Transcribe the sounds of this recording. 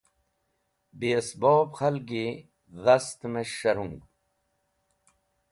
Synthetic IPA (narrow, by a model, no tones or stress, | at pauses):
bisboːbxɐlɡi | ðɐst̪meɕɐɾuŋɡ